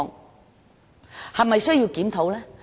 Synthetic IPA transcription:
ŋ | hɐ˨˩mːɐ˨jsɵ˥ɥjiː˧wkiː˨˥mt̪ʰo˨˥wlɛː˥

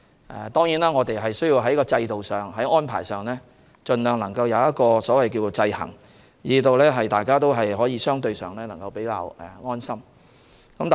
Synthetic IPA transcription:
ʔɛ̰˨t̪ɔː˥ŋjiː˨˥naː˥ŋɔː˨˧t̪e˨jɦɐ˨jsɵ˥ɥji˧wɦɐ˨˥jkɔː˧t͡sɐ˧jt̪o˨wsœː˨ŋɦɐ˨˥jɔː˥npʰa̰ː˨˩jsœː˨ŋlɛː˥ | t͡ʃɵ˨nlœː˨˩ŋnɐ˨˩ŋkɐ˧wjɐ˨˧wjɐ˥t̚kɔː˧sɔː˨˥wɐ˨jkiː˧wo˨t͡sɐ˧jhɐ̰˨˩ŋ | jiː˨˧t̪o˨˧wlɛː˥ɦɐ˨jt̪aː˨jkaː˥t̪̬o˥wɦɐ˨jɦɔː˨˥jiː˨˧sœː˥ŋt̪ɵ˧ɥsœː˨ŋlɛː˥nɐ˨˩ŋkɐ˧wpe˨˥jka̰ː˧wɛ˨˩ŋɔː˥nsɐ˥m | kɐ˨˧˥mt̪ː

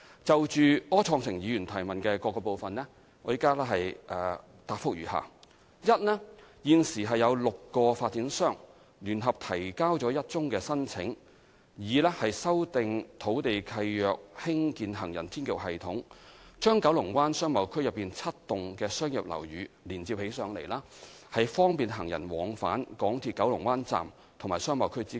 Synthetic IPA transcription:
t͡sɐ˨wt͡ʃyː˨ɔː˥t͡sʰɔː˧ŋsɪ˨˩ŋjiː˨˧jyː˨˩nt̪ʰɐ˨˩jmɐ˨nkɛː˧kɔː˧kːɔː˧po˨wfɐ˨nlɛː˥ | ŋɔː˨˧˥jiː˥kaː˥lɛ˥ɦɐ˨jʔɛː˨ | t̪aː˨p̚fʊ˥k̚ɥyː˨˩ɦa̰ː˨ | jɐ˥t̚nɛː˥jiː˨˧nsiː˨˩ɦɐ˨jːɐ˨˧wlʊ˨kːɔː˧faː˧t̚t͡si˨˥nsœː˥ŋ | lyː˨˩nɦɐ˨p̚t̪ʰɐ˨˩jkaː˥wt͡sɔː˨˥jɐ˥t̚t͡sʊ˥ŋkɛː˧sɐ˥nt͡sʰɪ˨˥ŋ | jiː˨˧lɛː˥hɐ˨jsɐ˥wt̪ɪ˨ŋt̪ʰo˨˥wt̪e˨jkʰɐ˧jjœː˨k̚hɪ˥ŋkiː˨˧nɦɐ˨˩ŋjɐ̰˨˩nt̪ʰiː˥nkɪ˨˩wɦɐ˨jt̪ʰʊ˨˥ŋt͡ʃœː˥ŋkɐ˨˧˥wlʊ˨˩ŋwaː˥nsœː˥ŋmɐ˨˧wkʰɵ˥ɥjɐ˨pːiː˨nt͡sʰɐ˥t̚t̪ʊ˨ŋkɛː˧sœː˥ŋjɐ˨p̚lɐ̰˨˩wjyː˨˧liː˨˩nt͡siː˧p̚he˨˥jsœː˨˧ŋlḛ˨˩jlaː˥ | hɐ˨jfɔː˥ŋpiː˨nɦɐ˨˩ŋjɐ˨˩nwɔː˨˧ŋfaː˨˥nkɔː˨˥ŋt̪ʰiː˧t̚kɐ˨˥wlʊ˨˩ŋwaː˥nt͡sa̰ː˨m | t̪ʰŋmaː˨˩sœː˥ŋmɐ˨˧wkʰɵ˥ɥt͡siː˥

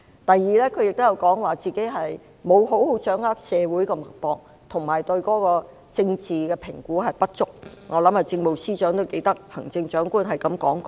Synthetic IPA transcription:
t̪ɐ˨jːiː˨lɛː˥kʰɵ˨˧jɪ˨k̚t̪o˥jɐ˧wkɔː˨˥ŋwaː˨t͡siː˨ke˨˥jɦɐ˨j | mo˨˧wɦo˨˥who˨˥wt͡ʃœː˨˥ŋhaː˥k̚sɛː˨˧wuː˨˥jkɔː˧mɐ˨˩k̚pɔː˧k̚ | t̪ʰʊ˨˩ŋmaː˨˩jt̪ɵ˧ɥkɔː˨˥kɔː˧ | t͡sɪ˧ŋt͡siː˨kɛː˧pʰɪ˨˩ŋkuː˨˥ɦɐ˨jpɐ˥t̚t͡ʃʊ˥k̚ŋɔː˨˧lɐ˨˥mhɐ˨jt͡sɪ˧ŋmo˨wsiː˥t͡ʃœː˨˥ŋt̪o˥wke˨˧˥jt̪ɐ˥k̚hɐ˨˩ŋt͡sɪ˧ŋt͡ʃœː˨˥ŋkuː˥nɦɐ˨jkɐ˨˥mkɔː˨˥ŋkɔː˧

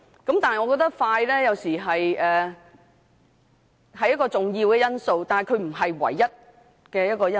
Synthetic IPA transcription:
kɐ˨˥mt̪aː˨nhŋɔ˨˧kɔː˧k̚t̪ɐ˥k̚faː˧jlɛː˥jɐ˨˧wsiː˨˩ɦɐ˨jɛː˨ | ɦɐ˨jːɐ˥t̚kɔː˧t͡sʊ˨ŋjiː˧wkɛː˧jɐ˥nso˧wt̪aː˨nhɐ˨jkʰɵ˨˧ɥm̩˨˩ɦɐ˨jwɐ̰˨˩jːɐ˥t̚ | kɛː˧jɐ˥t̚kɔː˧jɐ˥

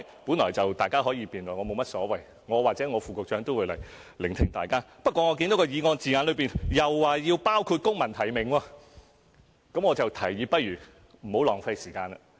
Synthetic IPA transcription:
pu˨˥nlɔː˨˩jt͡sɐ˨wt̪aː˨jkaː˥ɦɔː˨˥jiː˨˧piː˨nlɔː˨˩ŋɔː˨˧mo˨˧wmɐ˥t̚sɔː˨˥wɐ˨j | ŋɔː˨˧waː˨k̚t͡sɛː˨˥ŋɔː˨˧fuː˨kʊ˨k̚t͡ʃœː˨˥ŋt̪o˥wu˨˧lɐ̰˨˩jlɪ˨ŋt̪ʰɪ˨˩ŋt̪aː˨˩jkaː˥pɐ˥t̚kʷwɔː˧ŋɔː˨˧ki˧nt̪o˨˥kɔː˧jiː˨˧ŋɔː˧nt͡siː˨ŋaː˧nlɵ˨˧ɥpiː˨˩njɐ˨wːaː˨˩jiː˧wpaː˥wkʰuː˧t̚kʊ˥ŋmɐ˨˩nt̪ʰɐ˨˩jmɪ˨ŋwɔː˧ | kɐ˨˥mŋɔː˨˧t͡sɐ˨wt̪ʰɐ˨˩jːiː˧pɐ˥t̚jyː˨˩ | m̩˨˩ho˨˥wlɔː˨˩ŋfɐ˧jsiː˨˩kaː˧nɐ˨

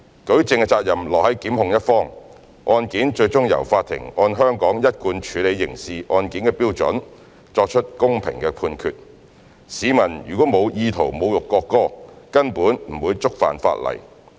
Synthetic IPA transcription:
kɵ˨˥ɥt͡sɪ˨ŋkɛ˧t͡saː˧t̚jɐ˨˩mlɔː˨k̚hɐ˨˥jkiː˨˥mhʊ˧ŋjɐ˥t̚fɔː˥ŋ | ʔɔː˧nkiː˨˥nt͡ʃɵ˧ɥt͡sʊ˥ŋjɐ̰˨˩wfaː˧t̪ʰːɪ̰˨˩ŋɔː˧nɦœː˥ŋkɔː˨˥ŋjɐ˥t̚kuː˧nt͡ʃʰyː˨˧le˨˧jːɪ˨˩ŋsiː˨ʔɔː˧nkiː˨˥nkɛː˧piː˥wt͡sɵ̰˨˥n | t͡ʃɔː˧k̚t͡ʃʰɵ˥t̚kʊ˥ŋpʰɪ̰˨˩ŋkɛː˧pʰuː˧nkʰyː˨t̚ | siː˨˧mɐ˨˩nɥy̰ː˨˩kʷɔː˨˥mo˨˧wjiː˧t̪ʰo˨˩wmo˨˧wjʊ˨kːɔː˧kːɔː˥kɐ˥npuː˨˥nm̩˨˩wuː˨˧jt͡sʊ˥k̚fa̰ː˨˩nfa̰ː˧t̚lɐ̰˨˩j

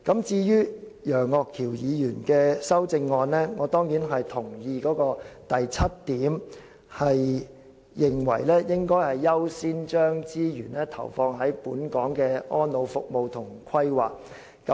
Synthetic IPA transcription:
kɐ˨˥mt͡siː˧jyː˥jœː˨˩ŋːɔː˧kʰːiː˨˩wjiː˨˧jyː˨˩nkɛː˧sɐ˥wt͡sɪ˧ŋːɔː˧nlɛː˥ŋɔː˨˧t̪ɔː˥ŋjiː˨˥nɦɐ˨jt̪ʰʊ˨˩ŋjiː˨˧kɔː˨˥kɔː˧t̪ɐ˨jt͡sʰɐ˥t̚t̪iː˨˥m | hɐ˨jː | ɪ˨ŋwɐ̰˨˩jlɛː˥jɪ˥ŋkɔː˥jhɐ˨jːɐ˥wsiː˥nt͡ʃœː˥ŋt͡siː˥jyː˨˩nlɛː˥t̪ʰɐ̰˨˩wfɔː˧ŋɦɐ˨˥jpuː˨˥nkɔː˨˥ŋkɛː˧ɔː˥nlo˨˧wfʊ˨k̚mo˨˧wt̪ʰʊ˨˩ŋkʰɐ˥jwaː˨k̚ | kɐ˨˦

